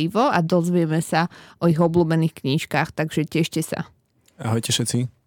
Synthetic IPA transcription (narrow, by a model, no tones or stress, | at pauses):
iʋɔad̪ɔzʋɪɛmɛsaʔɔiɣɔbluːbɛniːxkɲiʃkaːxt̪aɡʒɛcɛʃcɛsa̰ | aɦɔjcɛfʃɛt̪t͡si